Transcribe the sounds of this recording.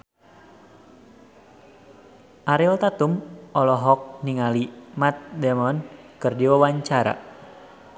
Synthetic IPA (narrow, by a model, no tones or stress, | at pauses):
ʔaɾilt̪at̪umʔɔlɔɦɔk̚niŋalimat̪̚dɛmɔnkɨrdiwawaɲt͡ʃaɾa̰